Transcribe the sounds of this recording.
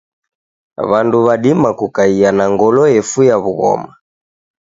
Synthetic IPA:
βanduβaɗimakukaianaŋɡɔlɔɛfujaβuɣɔ̰ma

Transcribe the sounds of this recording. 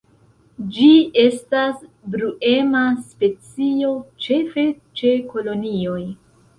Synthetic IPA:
d͡ʒie̞stasbɾuʔe̞maspe̞t͡sio̞t͡ʃe̞fe̞ | t͡ʃe̞ko̞lo̞nio̞j

